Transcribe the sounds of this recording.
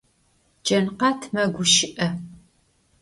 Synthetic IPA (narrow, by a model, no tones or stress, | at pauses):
d͡ʒɐnqɑtʰmɐɡʷʊʃɪʔɐ